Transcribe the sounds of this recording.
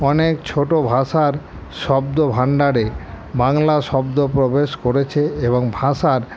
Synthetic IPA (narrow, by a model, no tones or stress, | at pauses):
ɔnekt͡ɕʰoʈobʱaʃaɾ | ʃɔbd̪obʱaɳɖaɾe | baŋlaʃɔbd̪opɾobeʃkoɾet͡ɕʰeeboŋbʱaʃaɾ